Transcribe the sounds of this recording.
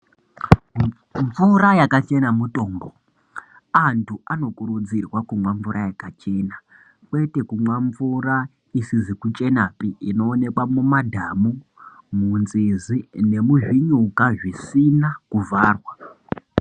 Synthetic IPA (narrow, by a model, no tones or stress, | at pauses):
ɱvurajakat͡ʃe̞namuto̞ːmbo | antʰuano̞kuɾud͡zirwakumwaɱvuɾʔajakat͡ʃe̞na | kwe̞te̞kumwaɱvuɾa | isizikut͡ʃʼe̞napiino̞ːne̞kwamumadʱamu | munzizine̞muʒiɲukaʐisinakuvʱaːrwa